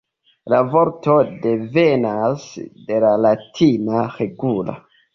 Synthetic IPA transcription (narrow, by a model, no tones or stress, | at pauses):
lavoɾto̞de̞venasde̞lalatʰinaɾeɡula̰